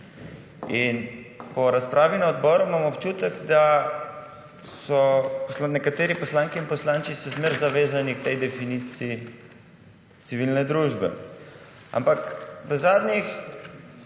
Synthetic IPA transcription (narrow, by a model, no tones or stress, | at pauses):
inpɔɾaspɾʔaːʋinaɔd̪bɔːɾumamɔpt͡ʃuːt̪ɛɡd̪a | sɔpɔsanɛkat̪eːɾipɔslaːŋkiːnpɔslaːnt͡ʃisɛzmeɾzaʋeːzanikt̪ɛjd̪ɛfinit̪siː | t̪siʋilnɛd̪ɾuʒbɛ̰ | a̰mpakʋəzad̪nix